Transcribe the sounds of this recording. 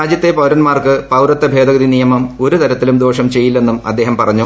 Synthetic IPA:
aːd͡ʑjɐt̪ːe̞pɐwɾɐnmaːrkɨpɐwɾɨt̪ːɐbʱe̞ːd̪ɐɣɐðinijɐmɐmo̞ɾut̪ɐɾɐt̪ːilumd̪oːʂɐmt͡ɕe̞jːilːe̞nːumɐ̰d̪ːe̞ːɦɐmpɐrɐɲːu

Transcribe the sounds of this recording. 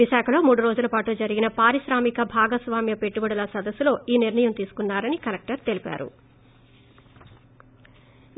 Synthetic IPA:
iʃaːkʰɐlo̞ːmuːɽuɾo̞ːd͡ʒulɐpaːʈud͡ʒɐɾiɡinɐpaːɾiʃɾaːmikɐbʱaːɡɐsʋaːmjɐpe̞ʈːubɐɽɐlɐsɐd̪ɐsːulo̞ːiːniɾɳɐjɐmt̪iːsu̥kunːaːɾɐnikɐlɐk̚ʈɐɾt̪e̞lipa̰ːɾṵ

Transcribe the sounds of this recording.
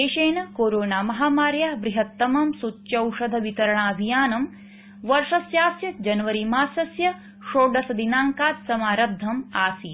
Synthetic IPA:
eːʃeːɳɐkoːɾoːnaːmɐɦaːmaːɾjaːbɾiɦɐt̪ːɐmɐmsut͡ʃːʃɐwʂɐd̪ʱɐʋit̪ɐɾɐɳaːɐbʱijaːnɐm | ʋɐɾʂɐsjaːsjɐd͡ʒɐnɐʋɐɾimaːsɐsjɐ | ʃoːɖɐsɐd̪inaːŋkaːt̪sɐmaːɾɐd̪ʱːɐma̰ːsi

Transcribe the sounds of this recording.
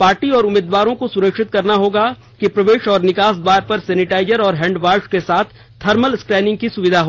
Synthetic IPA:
paːɾʈiɔːɾʊmeːd̪ʋaːɾõkosʊɾəkʃɪt̪kɐɾnaɦoːɡa | kipɾɐʋeːʃɔːɾnɪkaːsd̪ʋaːɾpɐɾsɛːnɪʈaːɪd͡ʒəɾɔːɾɦɛ̃ːɳɖʋaːɾʃkesaːt̪ʰ | t̪ʰːɐɾməlskɾɛːnɪ̃ŋɡ̚kisʊʋɪd̪ʱaɦoː

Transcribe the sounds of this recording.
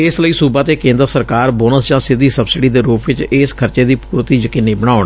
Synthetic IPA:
ɪsləiːsuːbaːt̪eːkẽːnd̪əɾsəɾkaːɾboːnəsd͡ʒãːsɪd̪iːsəbsɪɖiːd̪eːɾuːpʋɪt͡ʃɪskʰəɾt͡ʃeːd̪iːpuːɾt̪iːd͡ʒəkiːnːiːbəɽ̃aːʊɳ

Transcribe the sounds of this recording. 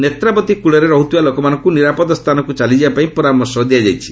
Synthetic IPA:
net̪ɾapɔt̪ikuɭɔɾeɾɔɦut̪ibalokɔmanɔŋkuniɾapɔd̪ɔst̪ʰanɔkut͡ʃalid͡ʒibapaĩpɔɾamɔɾsɔd̪ijad͡ʒajt͡ʃʰi̥

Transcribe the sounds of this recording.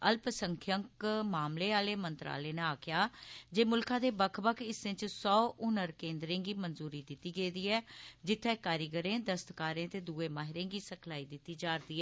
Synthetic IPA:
əlpsəŋkʰjəŋkmaːmleːaːleːmənt̪ɾa̰ːleːneaːkʰɪjaːd͡ʒeːmʊlkãːd̪eːbəkʰbəkʰɪsẽt͡ʃsɔːʔʊnəɾkẽːnd̪ɾẽːɡiːmənzuːɾiːd̪ɪt̪ːiːɡeːd̪iːɛːd͡ʒɪt̪ʰːɛ̃ːkaːɾɪɡəɾẽːd̪əst̪kaːɾẽːt̪eːd̪uːeːmaːɦɪɾẽːɡiːsəkʰlaːiːd̪ɪt̪ːiːd͡ʒaːɾd̪iːɛː

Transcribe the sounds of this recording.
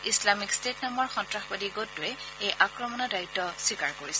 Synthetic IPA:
islamikstetnambɔɹxɔntɹaxbadiɡotːʊɛ | ejʔakɹɔmɔnɔdaitːɔswikaɹkoɹisɛ

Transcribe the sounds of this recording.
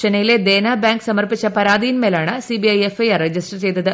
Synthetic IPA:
ɐnɐjiled̪eːnaːbaːŋɡsɐmɐrpit͡ɕːɐpɐɾaːd̪ijinme̞ːlaːɳɨsibiɐjefɐjɐred͡ʑisʈt͡ɕejt̪ɐðɨ

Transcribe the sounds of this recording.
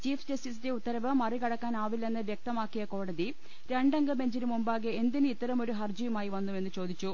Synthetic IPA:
t͡ɕiːfd͡ʑɐstis̬inde̞ut̪ːɐɾɐʋɨmɐrikɐɽɐkːaːnaːʋilːɐenːɨʋjek̚t̪ɐmaːkːijɐko̞ːɽɐði | ɾe̞ɳɖɐŋɡɐbe̞ɲd͡ʑilumumbaːɡeend̪inɨit̪ːɐɾɐmo̞ɾuɦɐrd͡ʑijumaːjiʋɐnːume̞nːut͡ɕo̞ːd̪it͡ɕːu

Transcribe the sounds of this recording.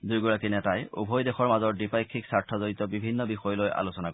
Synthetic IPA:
dujɡɔɹakinɛtajṵbʱɔjdexɔɹmazɔɹdipajkʰːiksaɹtʰɔzoɹitɔbibʱinːɔbixɔjɔlojʔa̰losɔnak

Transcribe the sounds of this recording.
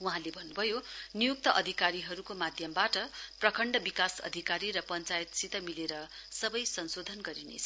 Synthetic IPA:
wuɦãlebʱʌnːubʱʌjonijuk̚t̪ʌʔʌd̪ʱikaɾiɦʌɾukomad̪ʱjʌmbaʈʌprʌkʰʌɳɖʌbikasʌ̰d̪ʱikaɾiɾʌpʌnt͡sajet̪sit̪ʌmileɾʌsʌbʌjsʌnsod̪ʱʌnɡʌɾinḛt͡sʰʌ

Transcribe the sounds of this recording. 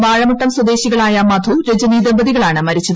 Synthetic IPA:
ʋaːɻɐmuʈːɐmswɐd̪e̞ːɕiɣɐɭaːjɐmɐd̪ʱuɾed͡ʑɐniːðɐbɐðiɣɐɭaːɳɨmɐɾit͡ɕːɐðɐ

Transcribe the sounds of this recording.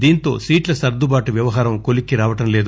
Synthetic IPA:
d̪iːnt̪o̞̰ːsiːʈlɐsɐɾd̪ubaːʈuʋjɐʋɐɦaːɾɐmkolikːiɾaːʋɐʈɐmle̞ːd̪u

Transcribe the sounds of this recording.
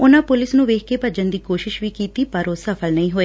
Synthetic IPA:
ʊnãːpʊlɪsnũːʋeːkʰkeːpəd͡ʒənd̪iːkoːʃɪʃʋiːkiːt̪iːpəɾoːsəpʰəlnəĩːɦoːeː

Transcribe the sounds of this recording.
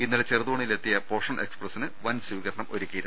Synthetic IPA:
inːɐɽet͡ɕerðuɳɐjile̞t̪ːijɐpo̞ːʂɐɳe̞ksprɐsːinɨʋɐnswiːɣɐɾɐɳɐmʔo̞̰ɾukʲːijiɾu

